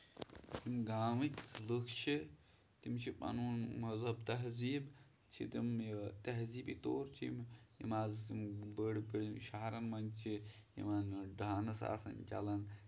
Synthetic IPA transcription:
t̪imɡaːmiklukʰt͡ʃʰi | t̪imt͡ʃʰipɐ̰nuːnmɐzɐbt̪ɐɦziːb | t͡ʃʰḭt̪imt̪ɐɦziːbit̪oːɾt͡ʃʰimjḭmaːzbəɽpiɽʃaɦaɾɐnmɐŋt͡ʃʰi | jḭmanɖaːnɐsa̰ːsɐmt͡ʃʲa̰lɐn

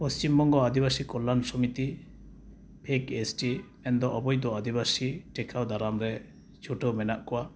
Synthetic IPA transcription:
pɔst͡ʃimbɔŋɡɔad̪ibasikɔlːansɔmit̪i | pʰekesʈimɛnd̪ɔʔɔbɔjd̪ɔad̪ibasiʈɛkʰawd̪aɾamɾɛ | t͡ʃʰuʈəwmɛnaʔkɔwa

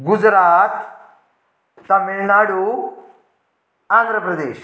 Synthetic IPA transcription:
ɡud͡ʒɾaːt̪ | ɐmːiɭnaːɽu | aːnd̪ʱɾɐpɾɐd̪eːʃ

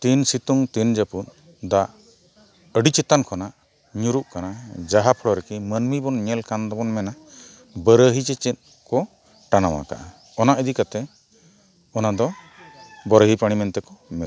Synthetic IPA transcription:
t̪insit̪uŋt̪ind͡ʒəpun | d̪aʔ | əɖit͡ʃɛt̪ankʰɔnaʔ | ɲuɾuʔkanad͡ʒaɦapʰɔɽɔɾɛkimənmibɔnɲɛlkand̪ɔbɔnmɛna | bəɾəɦit͡ʃɛt͡ʃɛt̪̚ | kɔ | ʈanawa̰ka̰ʔa | ɔnaʔid̪ikat̪ɛ | ɔnad̪ɔ | bɔɾəɦipaɽ̃imɛnt̪ɛkɔmɛt̪

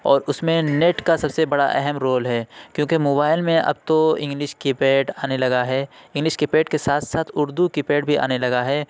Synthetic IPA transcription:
ɔːɾʊsmẽneːʈkasɐbsebɐɽa̰ʔɛ̰ɦɛmɾoːlɦɛːkjõːkemoːbaːɪlmẽʔɐ̰b̚t̪oɪ̃ŋɡlɪʃkipeːʈaːnelɐɡaɦɛɪ̃ŋɡlɪʃkɪpeːʈkesaːt̪ʰsaːt̪ʰʊɾd̪ukɪpeːɖ̚bʱiʔa̰ːnelɐɡaɦɛː

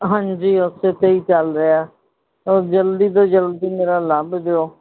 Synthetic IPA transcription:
ɦãːɲd͡ʒiːʊset̪eːiːt͡ʃəlɾeaː | oːd͡ʒəld̪iːd̪oːd͡ʒəld̪iːmeːɾaːləbd̪eoː

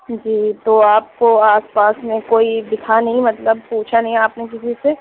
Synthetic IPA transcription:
d͡ʒiːt̪oːaːp̚koaːspaːsmẽkoːibɪt̪ʰanɐɦĩmɐt̪ləb̚puːt͡ʃʰanɐɦĩaːpnẽkɪsise

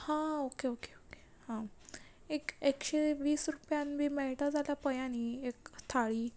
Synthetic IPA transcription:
hãokeoke̥oke̥ | hã | ekekɕeʋiːsɾupjãnbiːmɛɭʈad͡zalapəjaniekst̪ʰaɭiː

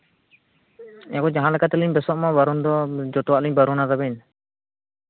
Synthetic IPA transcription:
ɛkɔd͡ʒaɦãlakat̪ɛliɲbɛsɔʔmabaɾund̪ɔd͡ʒɔt̪ɔwaʔliɲbaɾunad̪abɛn

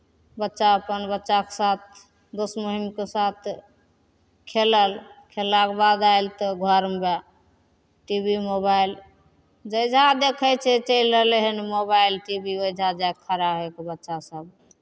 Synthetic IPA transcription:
bətːʃaəpənbətːʃakesat̪̚ʰ | d̪osmoɦimkesat̪ʰ | kʰeləlkʰelːakbad̪ailt̪ɔɡʱəɾmba | ʈibimobail | d͡ʒəjd͡ʒʱad̪ekʰət͡ʃʰɛt͡ʃəjləleɦənimobajlʈibiojd͡ʒʱad͡ʒajkʰəɾaɦekebətːʃasəb

